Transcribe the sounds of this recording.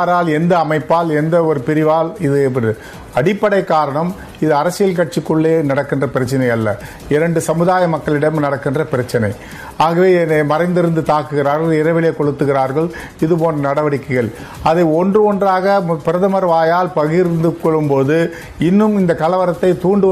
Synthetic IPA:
ɾaːlɛnd̪ɐːmɐɪpːaːlɛnd̪ɐɔɾɯpɪɾɪʋaːlɪðɯɾɯ | ɐɽɪpːɐɽɐɪkːaːɾɐɳɐm | ɪðɯɐɾɐsɪjɐlkɐʈ̚t͡ʃɪkːɯɭːeːnɐɽɐkːɪndrɐpɪɾɐt͡ʃːɪnɐɪɐlːɐ | ɪɾɐɳɖɯsɐmɯðaːjɐmɐkːɐɭɪɽɐmnɐɽɐkːɪndrɐpɪɾɐt͡ʃːɪnɐɪ | aːɣɐʋeːnemɐɾɐɪnd̪ɪɾɯnd̪ɯt̪aːkːɯɣɪɾaːɾɣɐɭɪɾɐʋɪleːkɔɻɯt̪ːɯɣɪɾaːɾɣɐɭ | ɪðɯpoːndrɐnɐɽɐʋɐɽɪkːɐɣɐɭ | ɐðɐɪɔndrɯɔndraːɣɐpɪɾɐðɐmɐɾʋaːjaːlpɐɣɪɾnd̪ɯkːɔɭːɯmpoːðɯ | ɪnːɯmɪnd̪ɐkɐlɐʋɐɾɐt̪ːɐɪt̪uːɳɖɯ

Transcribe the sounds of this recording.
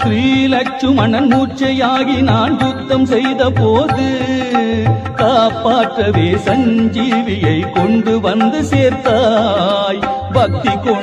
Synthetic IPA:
sɾiːlɐt͡ʃːɯmɐnɐnmuːt͡ʃːɐjaːɣinaːnɡʊt̪ːɐmsɛjðɐpoːðɯ | kaːpːaːʈrɐʋeːsɐɲd͡ʒiːʋɪjɐɪkɔɳɖɯʋɐnd̪ɯseːɾt̪a | j | bɐk̚t̪ikːɔ

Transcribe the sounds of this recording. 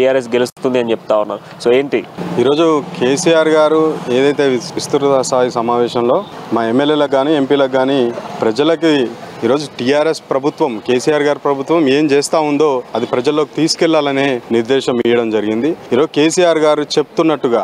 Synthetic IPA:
ijaːɾes̬ɡe̞lust̪und̪iɐnit͡ʃepu̥t̪aːunːaː | soːeːɳʈiiːɾo̞ːd͡ʒukʰe̞ːsijaːɾɡaːɾue̞ːd̪ɐjt̪e̞ːʋist̪uɾɐt̪ɐsaːjisɐmaːʋɛːʃɐmlo̞ːmaːemːelːeːlɐɡːaːnie̞mpiːlɐɡːaːnipɾɐd͡ʒɐlɐkiiːɾo̞ːd͡ʒuʈijaːɾespɾɐbʱut̪ʋɐmke̞ːsijaːɾɡaːɾpɾɐbʱut̪ʋɐme̞ːmt͡ʃeːst̪aːund̪o̞ːɐd̪ipɾɐd͡ʒɐlːoːkit̪iːsu̥kɛlːaːlɐneːniɾd̪ɛːʃɐmijɐɽɐmd͡ʒɐɾiɡind̪iiːɾo̞d͡ʒuke̞ːsiːjaːɾɡaːɾut͡ʃe̞put̪unːɐʈːuɡaː

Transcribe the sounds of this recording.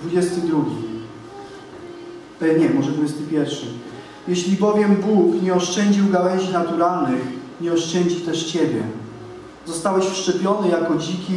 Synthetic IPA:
d̪vud͡ʑɛst̪ɘd̪ɾuɡʲi | ɲɛmɔʐɛd̪vud͡ʑɛst̪ɘpʲjɛɾfʂɘ | jɛɕlʲibɔvʲjɛmbukɲɛɔʂt͡ʂɛɲd͡ʑiwɡawɛʑinat̪uɾalnɘx | ɲɛɔʂt͡ʂɛɲd͡ʑit̪ɛʂt͡ɕɛbʲjɛ̰ | zɔst̪awɛɕfʂt͡ʂɛpʲjɔnɘjakɔd͡ʑikʲi

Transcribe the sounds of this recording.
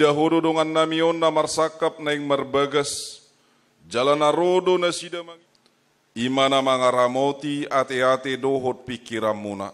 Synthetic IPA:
daɦɔdɔdɔŋanːamiɔnːamarsakːap̚naiŋmərbaɡas | d͡ʒalanaɾodonasidama | imanamaŋaɾamot̪iat̪eat̪edɔɦɔt̪̚pikiɾamːuna̰

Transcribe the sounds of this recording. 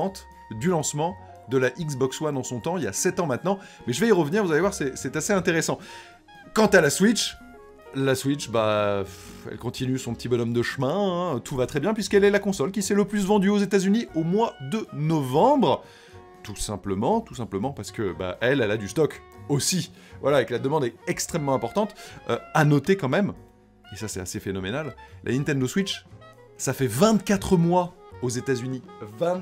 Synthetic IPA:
t̪ | d̪ylɑ̃smɑ̃ | d̪əlaʔiks̬bɔkswanɑ̃sɔ̃t̪ɑ̃ilja̰sɛt̪ɑ̃mɛ̃t̪nɑ̃ | mɛʒəvɛiʁəvniʁvuzalevwaʁsɛsɛt̪aseɛ̃t̪eʁesɑ̃ | kɑ̃t̪alaswit͡ʃ | laswit͡ʃbafɛ̰lkɔ̃t̪ʰinysɔ̃pə̥t̪ibɔnɔmd̪əʃmɛ̃t̪ʰuvat̪χɛbjɛ̃pɥiskɛlɛlakɔ̃sɔlkʲisɛləplys̬vɑ̃d̪yozet̪azyniomwad̪ənɔvɑ̃bʁ | t̪usɛ̃pləmɑ̃t̪usɛ̃pləmɑ̃paʁsə̥kəba̰ʔɛlɛlad̪yst̪ɔk | osi | vwalaekəlad̪əmɑ̃d̪ɛɛkst̪χɛmːɑ̃ɛ̃pɔʁt̪ɑ̃t̪ø̰anɔt̪ekɑ̃mɛm | esasɛt̪asefenɔmenallʔa̰nĩnt̪ɛ̃nd̪oswit͡ʃ | safɛvɛ̃t̪kʲat̪χəmwaozet̪azyniṽ

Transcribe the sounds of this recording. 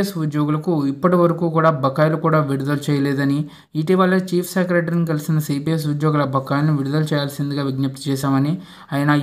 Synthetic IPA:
esud̪joːɡulɐkuipːɐʈiʋɐɾɐkuːkuːɽaːbʱɐkːaːjlukuːɽaːʋiɽud̪ɐlut͡ʃɛːjɐlɛːd̪ɐni | iʈiʋaːlːɐt͡ʃiːpʰsekɾeːʈɐɾinikɐlisinɐsiːpijes̬ud̪joːɡulɐbʱɐkːaːjlɐnuʋiɽud̪ɐlut͡ʃɛːjaːlɐsind̪iɡaːʋiɡnɐp̚t̪u̥t͡ʃɛːʃaːmɐni | aːjɐnɐ

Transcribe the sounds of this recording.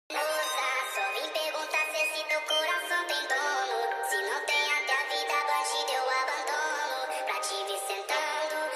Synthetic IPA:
nɔsasɔvĩj̃peɾɡũnt̪asesimewkoɾasɐ̃w̃t̪ẽñt̪ɔnʊsinɐ̃w̃t̪ẽj̃ãt̪avid̪abaʃid̪ewabɐ̃nd̪onʊ | pɾat͡ʃiviɾsẽnt̪a | nʊ

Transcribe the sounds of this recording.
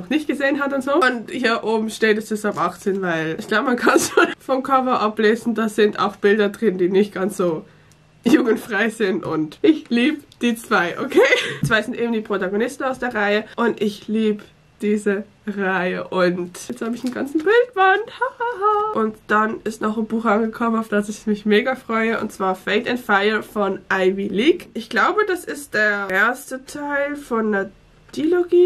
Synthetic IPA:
nɔχnɪçt̚ɡ̥əzeːənɦatʊntz̥oːʊnthiːɐʔoːbm̩ʃteːtɛsɪsapʔaχt͡seːnvaɪlɪçɡ̥laʊbəmankʰanʃoːnfɔmkʰœvɐʔapleːzn̩daːz̥ɪntʰa̰ʊxb̥ɪldɐdʁɪndiːnɪçt̚ɡ̥ansz̥oː | juːɡn̩tfʁ̥aɪzɪntʊ̰ntʔɪçliːbəd̥iːt͡sv̥aɪʔokʰeːt͡sv̥aɪzɪntʔeːbm̩diːpʁ̥otaɡonɪstn̩aʊsd̥eːɐʁaɪəʔʊntɪçliːbə | d̥iːzə | ʁaɪəʔʊntɛt͡sthaːbəɪçn̩ɡa̰nt͡sn̩bɪlt̚b̥anthahahaʔʊntd̥anɪstnɔχnbuːxanɡəkʰɔmənaʊfd̥asɪçmɪçmeːɡɐfʁ̥ɔʏəʔʊ̰ntt͡sv̥aːɐfeɪtɛntfaɪəfɔnʔaɪviliːkʔɪçɡ̥laʊbədasɪst̚d̥eːɐɐeːɐstətʰaɪlfɔndeɐ | d̥iloɡiː

